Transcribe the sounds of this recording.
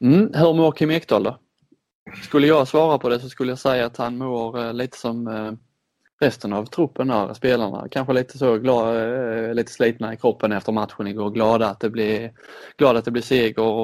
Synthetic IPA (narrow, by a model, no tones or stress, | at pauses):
m̩hɵɾmoɾkʰɪmɛkt̪ʰɑld̪ɔ | skɵlːəjɑsvɑːɾapʰɔd̪ɛs̬ɔskɵlːəjɑsɛjːaːt̪hanmoːɾliːt̪ə̥sɔm | ɾɛst̪ənavt̪ʰɾʊpʰːənæ̰ɾspeːlaɳa̰kʰanɧəliːt̪ʰə̥soɡlɑːliːt̪ə̥sliːt̪naɪkʰɾɔpʰːənɛft̪əɾmat̪ɧʊnɪɡoːɾɡlɑːd̪aːt̪̚d̪ɛblɪɾɡ̥lɑːd̪at̪̚d̪ɛblɪseːɡəɾɔ